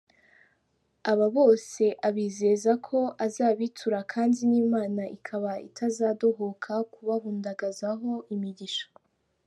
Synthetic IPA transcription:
aβaβo̞ːse̞ʔaβiːze̞zakʰo̞ʔazaːβitʰuɾakʰaːndiniːmaːnaʔikʰaβaḭtʰazaːdo̞ɦo̞kʰakuβaβuːndaɡazaɦo̞ʔimiɟiʃḁ

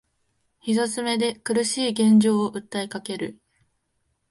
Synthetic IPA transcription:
çizat͡sɨme̞d̪e̞kɯ̟ɾɯ̟ɕiːɡẽ̞ɲ̟d͡ʑo̞ːʔɯ̟t̪ːaikake̞ɾɯ̟̰

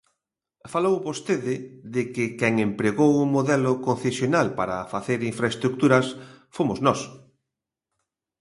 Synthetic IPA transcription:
falowβost̪eðɪðɪkɪkɛŋempɾeɣowʊmoðɛlʊkon̟θesjonalpaɾɐfaθeɾiɱfɾaest̪ɾuk̚t̪uɾɐsfomʊznɔs

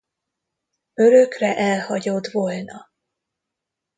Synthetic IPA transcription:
øɾøkrɛʔɛlhɒɟod̪volnɒ

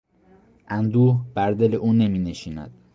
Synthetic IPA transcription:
ʔænd̪uːhb̥æɾd̪e̞leʔuːne̞miːneʃiːnæ̰d̪̥

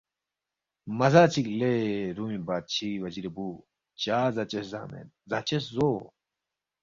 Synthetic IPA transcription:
mɐzaːt͡ɕʰikleɾuːmibaːt̪̚t͡ɕʰiwɐd͡ʑiɾebuː | t͡ɕaːzɐt͡ɕesza̰ːmḛn | zat͡ɕeszo

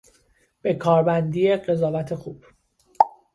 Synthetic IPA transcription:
b̥e̞kʰɒːɾbænd̪iːe̞ɢe̞zɒːvæt̪ʰe̞xuːb̥

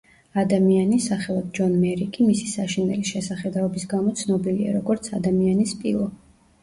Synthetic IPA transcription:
ad̪amianisaχɛlˠad̪̚d͡ʒɔnmɛɾikʼimisi̥saʃinɛliʃɛsaχɛd̪aɔbisɡamɔt̪sʰnɔbilia̰ɾɔɡɔɾt̪sʰad̪amianispʼilˠɔ

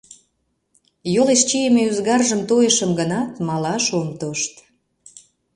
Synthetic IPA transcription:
joʁeʃt͡ɕijemeyzɣɑrʒəmt̪ojəʃəmɡənɑt̪mɑlɑʃomt̪oʃt̪

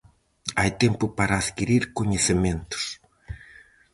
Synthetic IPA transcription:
ajt̪ẽmpʊpaɾɐːðkiɾiɾkoɲesemẽnt̪ʊ̥s

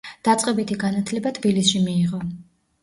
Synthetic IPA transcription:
d̪̥at̪sʼqʼɛbit̪ʰiɡanat̪ʰlɛbat̪ʰb̥ilisʃimiːʁɔ

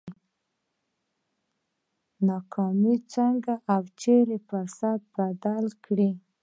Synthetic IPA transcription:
nɑkʰɑmit͡ʃaŋɡaʔawt͡ʃeɾepasad̪̚b̥ad̪alkɽi

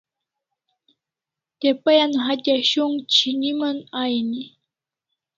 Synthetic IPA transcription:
t̪epajanɦatʲaɕʊŋt͡ɕʰinimanajni

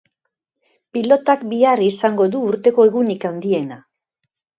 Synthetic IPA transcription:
pilo̞t̪akbiarisaŋɡo̞ðuːɾt̪e̞ko̞e̞ɣunikand̪ie̞na

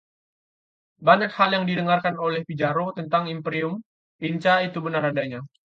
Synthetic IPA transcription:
baɲakhaljaŋdidəŋarkanolɛhpid͡ʒaɾot̪ənt̪aŋimpɾiʊm | iɲt͡ʃait̪ubənaradaɲa

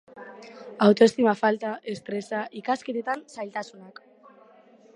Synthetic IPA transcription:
awt̪oest̪imafalt̪aʔest̪ɾesaʔikasket̪et̪ansajlt̪asunak

